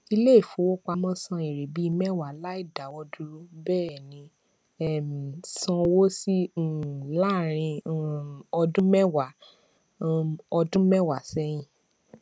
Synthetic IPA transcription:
i˧le˦i˦˨fo˨˦wo˦k͡pa˧mɔ̃˦sɔ̃˧˦e˨ɾe˨bi˨˦i˧mɛ˦wa˨la˦i˦˨da˨˦wɔ˧du˧ɾu˦bɛː˦˨nĩ˨˧ | ɛ˦˨m˨sɔ̃˧wo˦si˦˨ | la˦˨ɾ̃ĩ˧˦ | ɔ˧dũ˦mɛ˦wa˨ | ɔ˧dũ˦mɛ˦wa˨sɛ˦j̃ĩ˦˨

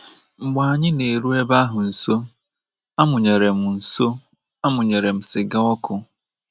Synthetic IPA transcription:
ŋ͡m̩˨ɡ͡ba˨a˨ɲɪ˦ne˨ɾu˦e˦ba˦ɦʊ˨n̩˨so˦ | a˦mʊ˨ɲe˨ɾe˨m̩˨n̩˨so˦ | a˦mʊ˨ɲe˨ɾe˨m̩˨sɪ˨ɡa˦ɔ˦kʰʊ˦

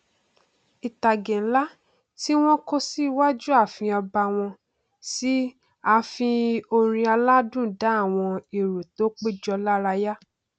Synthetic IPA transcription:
i˨ta˨ɡɛ̃˨˦la˦ | ti˦w̃ɔ̃˦ko˦si˦˧˦wa˦d͡ʒu˦a˦˨fĩ˧ɔ˧ba˧w̃ɔ̃˧ | si˦ | a˧fĩ˧o˧ɾ̃ĩ˧a˧la˦dũ˦˨da˨˦˨w̃ɔ̃˧i˨ɾo˨to˨˦k͡pe˦˨d͡ʒɔ˧la˦ɾa˧ja˦

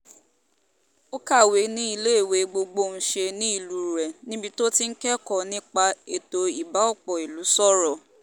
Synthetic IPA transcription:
o˦ka˦˨we˨˦nĩ˦i˦˧˨le˦e˦˨we˨˧ɡ͡bo˧ɡ͡bo˧˨ñ̩˨˦ʃe˧nĩ˨˦i˦˨lu˨˦˨ɾɛ˨nĩ˦bi˧to˦ti˦n̩˦kɛ˦kɔ˦˨nĩ˦k͡pa˧e˨to˧i˨ba˨˦ɔ˦˨k͡pɔ˨i˨lu˨˦sɔ˦˨ɾɔ˨

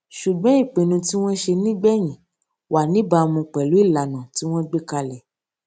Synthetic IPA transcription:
ʃu˨ɡ͡bɔ̃˨˦i˦˨k͡pẽ˨nũ˧ti˦w̃ɔ̃˦ʃe˧nĩ˦ɡ͡bɛ˦j̃ĩ˨ | wʔa˨nĩ˨˦ba˧mũ˧k͡pɛ˨lu˨˦i˦˨la˨nã˨ti˦w̃ɔ̃˦ɡ͡be˦ka˧lɛ˨

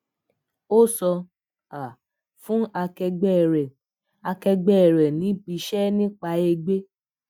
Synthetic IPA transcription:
o˦sɔ˧ | a˨ | fũ˦a˧kɛ˧ɡ͡bɛ˦˨ɾɛ˨ | a˧kɛ˧ɡ͡bɛ˦˨ɾɛ˨nĩ˨˦bi˨˧ʃɛ˦nĩ˦k͡pa˧˦e˧ɡ͡be˦

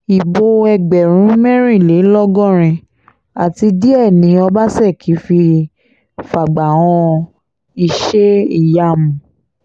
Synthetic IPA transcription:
i˨bo˧ɛ˧ɡ͡bɛ˨ɾ̃ũ˨˦mɛ̃˦ɾ̃ĩ˦˨le˨˦lɔ˦ɡɔ̃˦˨ɾ̃ĩ˧ | a˨ti˧di˦ɛ˦˨nĩ˨˦ɔ˧ba˦sɛ˦˨kʰi˨˦fi˧ | fa˨ɡ͡ba˨w̃ɔ̃˧ | i˧ʃe˦i˦˨ja˧˦mũ˨

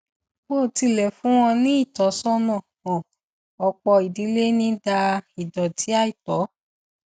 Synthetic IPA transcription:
k͡po˦˨ti˧lɛ˨fũ˨˦w̃ɔ̃˧nĩ˦i˦˨tɔ˨˦sɔ˦nã˦˨ | ɔ̃˨ | ɔ˧k͡pɔ˧i˨di˨˦le˦nĩ˦da˧i˨dɔ˨tʰi˨˦a˦˨i˨tɔ˨˦

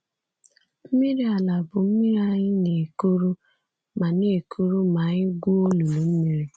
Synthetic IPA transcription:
m̩˦mi˦ɾi˦a˨la˨bʊ˨m̩˦mi˦ɾa˦ɲɪ˦ne˨ku˦ɾu˦ | ma˨ne˨e˨kʰu˦ɾu˦ma˨ɲɪ˦ɡʷu˦o˦lu˨lu˨m̩˦mi˨ɾi˨

